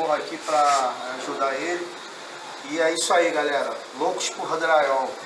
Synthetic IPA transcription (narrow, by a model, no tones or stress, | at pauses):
akipɾɐaʒud̪aeli | iɛisʊaiɡalɛɾɐlokʊ̥ʃpuɦɐd̪ɾaɡɛw